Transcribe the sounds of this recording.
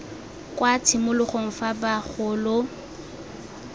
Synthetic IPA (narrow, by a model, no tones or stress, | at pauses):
kwat͡sʰɪmʊlʊχoŋ̩fabaχʰʊːlʊ